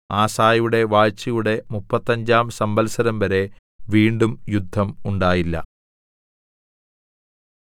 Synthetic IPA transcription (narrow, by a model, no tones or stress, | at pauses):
aːsaːjjuɽe̞ʋaːɻt͡ɕːɐjuɽe̞mupːɐt̪ːɐɲd͡ʑaːmsɐmbɐlsɐɾɐmʋɐɾe̞ | ʋiːɳɖumjud̪ʱːɐmuɳɖaːjilːɐ̰